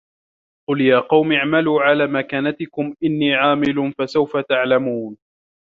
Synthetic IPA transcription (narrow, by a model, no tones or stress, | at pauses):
qʊljaːqɑwmɪʕmaluːʕalaːmakaːnat̪ɪkʊmʔɪnːiːʕaːmɪlʊfasawfat̪aʕlamuːn